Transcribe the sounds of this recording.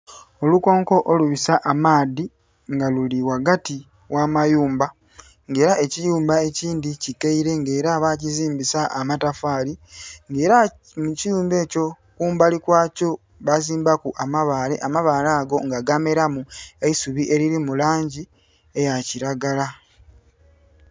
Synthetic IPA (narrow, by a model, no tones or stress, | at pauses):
o̞luko̞ːŋko̞ʔoluβisaʔamaːdi | ŋɡaluliwaɡati | wamajuːmba | ŋɡe̞ːɾaʔe̞cijuːmbae̞ciːndicikeiɾe̞ŋɡe̞ːɾaβaciziːmbisaʔːmatafaːliŋɡe̞ːɾa | mucijuːmbe̞ːco̞ | kuːmbalikwaːco̞ | βaziːmbakuʔamaβaːle̞̰ʔamaβalaːɡo̞ŋɡaɡame̞ɾamueisuβiʔe̞ɾiɾimulaːɲɟi | e̞jaciɾaɡala